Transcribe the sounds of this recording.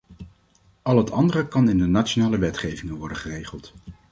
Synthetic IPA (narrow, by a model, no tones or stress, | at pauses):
ʔɑlˠɦətɑndərəkɑnɪndənat͡ʃonaːləʋɛtχejvɪŋənʋɔdəχərejχəlˠt